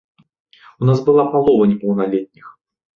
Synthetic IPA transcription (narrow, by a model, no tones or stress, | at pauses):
unazbɨlˠapalˠɔvɐnʲɛpɐwnalʲɛt̪̚ʲnʲix